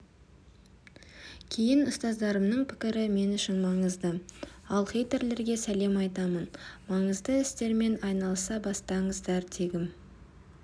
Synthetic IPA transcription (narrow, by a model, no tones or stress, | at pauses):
kʲʰejɪnʊst̪ɑzd̪ɑɾəmnəɴpʰɪ̥kʲɪɾɪme̞nʏʃɪnmɑɴəzd̪əɑlˠχejt̪eɾle̞ɾɡʲe̞sæle̞mɑjt̪ɑmənmɑɴəzd̪əɪst̪e̞ɾme̞nɑjnɑlˠəsɑbɑst̪ɑɴəzd̪ɑɾd̪e̞ɡʲɪm